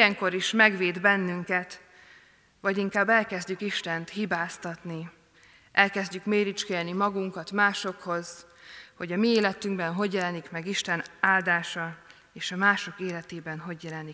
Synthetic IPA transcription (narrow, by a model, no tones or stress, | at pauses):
ɛŋko̞ɾiʃmɛɡʋeːd̪bɛnːyŋkɛt̪ | ʋɒɟiŋkaːbːɛlkɛzɟykiʃt̪ɛnt̪hibaːst̪ɒt̪ni | ʔɛlkɛzɟykmeːɾit͡ʃkɛlnimɒɡuŋkɒt̪maːʃo̞kho̞z̥ | ho̞ɟɒmieːlɛt̪yŋɡbɛnɦo̞ɟjɛlɛnikmɛɡiʃt̪ɛnaːld̪aːʃɒ | eːʃɒmaːʃo̞keːlɛt̪eːbɛnɦo̞ɟjɛlɛnik